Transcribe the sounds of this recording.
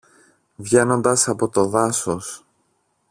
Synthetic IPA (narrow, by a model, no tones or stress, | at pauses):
vʝe̞no̞nd̪ɐsɐpo̞t̪o̞ðɐsos